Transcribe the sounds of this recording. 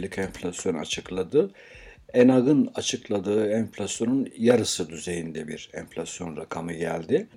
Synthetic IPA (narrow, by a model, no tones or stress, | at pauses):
lʲicɛɱfʲlʲasjo̞na̰t͡ʃʰɯklˠad̪ɯ | enaɡɯnat͡ʃʰɯklˠad̪ɯːɛɱflʲasjo̞nunjaɾɯsɯd̪yze̞jind̪ɛbiɾɛ̰ɱfʲlʲasjo̞nɾakʰamɯɟæ̰lʲd̪ɪ